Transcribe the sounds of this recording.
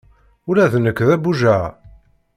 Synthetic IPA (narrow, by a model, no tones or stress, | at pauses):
ʊɾæðnəkːðæbuʒæ